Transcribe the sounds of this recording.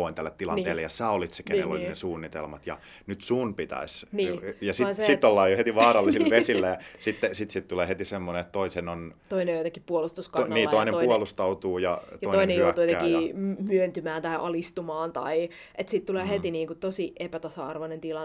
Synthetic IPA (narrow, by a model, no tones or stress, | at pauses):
oint̪ælːet̪t̪ːilɑ̰nḛːlːejjɑsæːolit̪se̥kennḛlo̰lʲinesuːnːit̪ḛlmɑt̪jɑ̰ | nyt̪suːnpit̪æ̰isnijɑsisit̪ːolːɑːjohet̪iʋɑːrɑlːisillʋesilːæjɑsit̪ːesit̪sit̪t̪uleːhet̪isemːoneet̪t̪oisenont̪oinejot̪ekippuolust̪uskɑnniːtːɑoinemuolust̪ɑut̪uːjɑ̰t̪ɑtoitoinejoout̪uːjot̪ekiːmyønt̪ymæːnt̪ɑiʔɑlist̪umɑːnt̪ɑi | ʔet̪siːt̪t̪uleːhet̪iniːŋkut̪osiʔepæt̪ɑsɑɑrʋonent̪ilɑ